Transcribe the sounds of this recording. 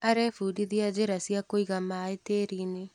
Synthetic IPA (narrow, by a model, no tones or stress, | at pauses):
aɾɛfuːdiðiad͡ʒeɾasjiakoiɣamaeteːɾine